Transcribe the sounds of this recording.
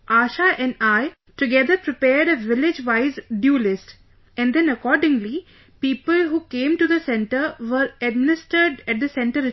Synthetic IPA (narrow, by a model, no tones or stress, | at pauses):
ʔaːʃaʔɛ̃ɳaɪ | ʈʊɡɛd̪əɾpɾɪpeːɾɖəʋɪlɪd͡ʒʋaɪzɖjuːlɪsʈ | ɛ̃nd̪ɛ̃nəkɔːɾɖɪ̃ŋli | piːpəlɦuːkẽːmʈud̪əsɛ̃ɳʈəɾʋəɾɛɖ̚mɪnɪsʈəɾɖæʈ̚d̪əsɛ̃ɳʈəɾɪ